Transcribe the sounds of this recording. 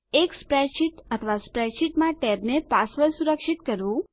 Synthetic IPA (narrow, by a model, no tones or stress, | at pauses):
ekspɾɛʃiʈət̪ʰəʋaspɾɛʃiʈmãʈɛbnepasʋəlsuɾəkʃit̪kəɾʋũ